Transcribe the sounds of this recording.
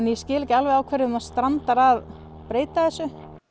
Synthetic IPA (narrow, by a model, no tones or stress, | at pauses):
nijɛscɪːlɛcɪalvejawkʰvɛɾɪnːast̪ɾant̪aɾað | pɾeːjt̪aθɛsːʏ